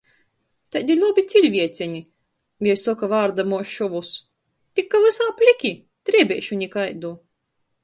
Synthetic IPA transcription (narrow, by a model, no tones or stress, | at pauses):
t̪ad̪ʲiɾlʲˠubʲit̪sʲilʲvʲiɛt̪sʲɛɲʲi | vʲisɔkavaːɾd̪amuɔʃɔvus | t̪ikːavɨsaːpʲlʲikʲi | t̪ɾʲibʲɛːʃuɲʲikajd̪uː